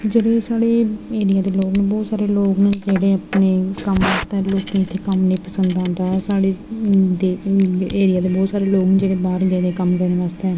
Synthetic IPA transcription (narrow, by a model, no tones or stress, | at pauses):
d͡ʒeːɽeːsaːɽeːeːɾɪjaːd̪eːloːɡnẽːbɔːt̪saːɾeːloːɡned͡ʒeːɽeːəpneːkəmʋaːst̪eɦɛloːknĩːɪt̪ʰːeːkəmnĩːpəsə̃nd̪ãːnd̪aːɛsaːɽeːd̪eːeːɾɪjaːd̪eːbɔːt̪saːɾeːloːɡnːd͡ʒeːɽeːbaːɾd͡ʒeːɽeːkəmkəɾneːʋaːst̪eɛː